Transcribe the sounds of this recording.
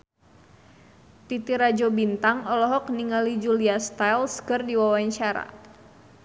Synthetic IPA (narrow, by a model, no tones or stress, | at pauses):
t̪it̪iɾad͡ʒɔbint̪aŋɔlɔɦɔkniŋalid͡ʒuliast̪ajlskɨrdiwawaɲt͡ʃaɾa̰